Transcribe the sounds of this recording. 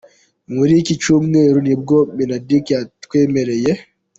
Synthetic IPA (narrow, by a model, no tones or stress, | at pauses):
ŋeɾikit͡ʃumneɾunibɡɔminadikatkwemɛɾɛjɛ